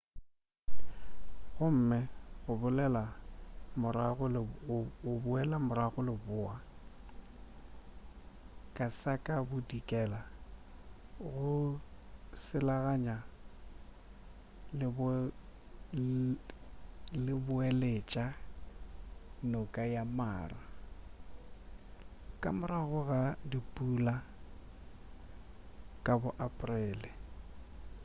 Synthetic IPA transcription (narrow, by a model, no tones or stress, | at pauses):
ɣʊm̩mɪɣʊbʊlɛlamʊɾaɣʊlɪʊbʊɛlamʊɾaɣʊlɪbʊːa | kʼasakʼabʊdikʼɛːla | ɣʊ | sɪlaɣaɲa | lɪb | lɪbʊelet͡ʃʼa | nʊkʼajama̰ːra | kʼa̰mʊɾaɣʊɣadipʼula | kʼabʊʔapʼʊrɛːlɪ